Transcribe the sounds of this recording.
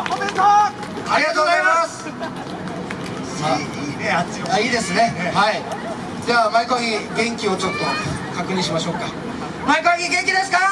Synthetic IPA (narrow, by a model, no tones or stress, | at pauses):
aɾʲiɡat̪oːɡozajmas | a | a | aiːd̪e̞sɨne̞hai | d̪eβamaikoaɡʲiɡẽ̞ŋkʲio̞t͡ɕo̞t̪ːo̞ | kakɯ̟ɲ̟ĩɕ̬imaɕo̞ːka | maikaaɡʲiɡẽ̞ŋkʲid̪e̞sɨ̥ka